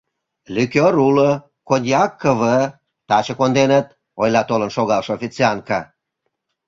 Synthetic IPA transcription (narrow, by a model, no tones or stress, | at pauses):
lʲykʲøɾulə | kod̪ʲjɑkːəβə | t̪ɑt͡ɕə̆kond̪enət̪̚ | ojlɑt̪olənʃoɣɑlʃəofʲit͡siɑnkɑ